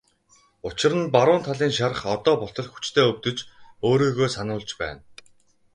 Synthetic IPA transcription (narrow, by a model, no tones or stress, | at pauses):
ʊt͡ɕɪ̆ɾə̆npaɾʊːnt̪ʰaɮiːŋʃaɾə̆χɔt̪ɔːpʊɬt̪ɞ̆ɮxu̥t͡ɕt̪ʰeːɵwt̪ɵ̆t͡ɕoːɾiːɣoːsanʊːɮt͡ɕpæ̰ːn